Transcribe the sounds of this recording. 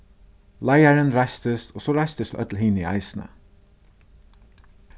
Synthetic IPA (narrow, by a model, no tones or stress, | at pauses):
lajaɹənɹajst̪əst̪ʰɔːsɔɹaɪst̪əst̪œ̰t̪l̩hɪːnia̰ɪsnə̰